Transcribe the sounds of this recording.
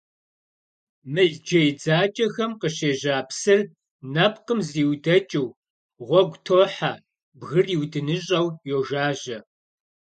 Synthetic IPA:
mɨɮd͡ʒɐjd͡zaːt͡ʃʼɐxɐmqəɕeːʑaːpsɨr | nɐp̚ʰqəmziːwdɐt͡ʃʼɪw | ʁʷɔɡʷtʰoːħaː | bɣɨriwdɨnɨɕʼɐwjoːʒaːʒɐ

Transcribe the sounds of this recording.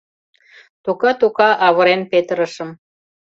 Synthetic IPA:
t̪ukɑt̪ukɑʔɑβɤ̆ɾenpet̪əɾəʃə̆m

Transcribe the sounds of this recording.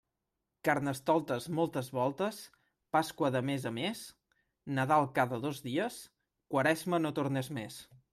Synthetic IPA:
kaɾnəst̪ɔlˠt̪əzmolˠt̪əzβɔlˠt̪əs | paskwəðəmezəmes | nəðalˠkaðəðozðiəs | kwəɾɛzmənot̪uɾnɛzmes

